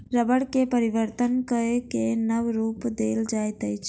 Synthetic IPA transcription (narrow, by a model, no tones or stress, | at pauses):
ɾəbəɽkepəɾɪʋəɾt̪ənkəekenəʋɾuːpd̪eːld͡ʒaːjt̪əjt͡ʃʰ